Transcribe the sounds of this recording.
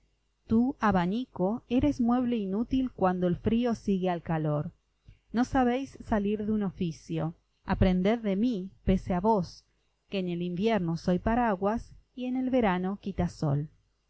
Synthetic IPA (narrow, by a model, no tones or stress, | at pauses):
t̪uaβaniko̞eɾezmwe̞β̞le̞inut̪ilkwand̪oelfɾio̞siɣealkaloɾ | no̞saβ̞ejsːaliɾðeuno̞fisjo̞ | apɾend̪eððemipeseaβos | keːnelimbjeɾnoso̞jpaɾaɣwasie̞ne̞lβe̞ɾano̞kit̪aso̰l